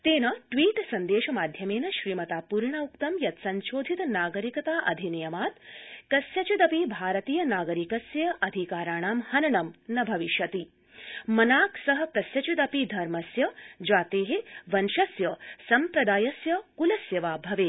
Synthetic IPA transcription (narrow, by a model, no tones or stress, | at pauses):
t̪eːnɐʈʋiːʈsɐnd̪eːʃɐmaːd̪ʱjɐmeːnɐʃɾiːmɐt̪aːpuːɾɳaukt̪ɐmjɐt̪sɐnʃoːd̪ʱit̪naːɡɐɾikɐt̪aːʔɐ̰d̪ʱinijɐmaːt̪kɐsjɐt͡ʃud̪ɐpibʱaːɾɐt̪iːjɐnaːɡɐɾikɐsjɐʔɐd̪ʱikaːɾaːɳaːmhɐnɐɳɐmnɐbʱɐʋiʃjɐt̪i | mɐnaːksɐɦɐ̆kɐsjɐt͡ʃud̪ɐpid̪ʱɐɾmɐsjɐd͡ʒaːt̪eːɦeʋɐnʃɐsjɐsɐmpɾɐd̪aːjɐsjɐkulɐsjɐʋaːbʱɐʋeː